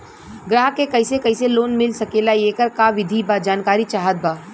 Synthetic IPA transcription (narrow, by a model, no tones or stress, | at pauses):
ɡɾaːɦkekɐɪsekɐɪseloːnmɪlsɐkeːlaeːkəɾkaʋɪd̪ʱibad͡ʒaːnkaːɾit͡ʃaːɦət̪̚baː